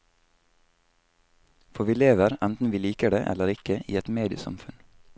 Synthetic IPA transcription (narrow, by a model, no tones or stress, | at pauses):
fɔʋiːleːʋəɾænt̪n̩ʋiːliːkəɖḛːʔɛ̰ləɾɪkəʔḭːɛt̪meːd̪ɪəsɑ̰mfʉn